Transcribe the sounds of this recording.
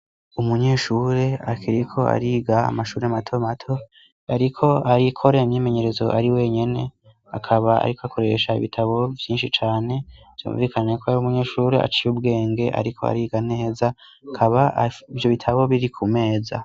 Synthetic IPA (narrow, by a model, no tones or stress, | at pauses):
umuɲeːʃuːɾe̞akʰiɾikʰo̞a̰ɾiːɡa̰ːmaʃuːɾeamatʰo̞matʰo̞ | aɾikʰo̞aɾikʰo̞ɾeimɲiːme̞ɲe̞ɾezo̞ʔaɾiwe̞ɲe̞ne̞ | a̰kʰaβaa̰ɾikoakʰo̞ɾe̞ʃaḭβitʰaβo̞vjiːnʃit͡ʃaːne̞ | zjṵːɱviːkʰanekʰoajumuɲe̞ːʃuːɾḛʔa̰t͡ʃijubɡe̞ːŋɡe̞ʔa̰ɾikʰo̞a̰ɾiːɡaneheza | kʰaβaivjo̞βitʰaβo̞βiɾikʰume̞ːza̰